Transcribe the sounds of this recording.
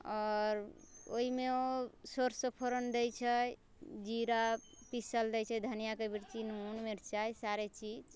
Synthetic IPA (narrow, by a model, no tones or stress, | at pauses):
ɔɾ | oɦimeosoɾsəpʰoɾənd̪ɛjt͡ʃʰəj | d͡ʒiɾa | pisəld̪ɛjt͡ʃʰɛd̪ʱənijakebiɾt͡ʃinɦunmeɾt͡ʃajsaɾet͡ʃid͡ʒ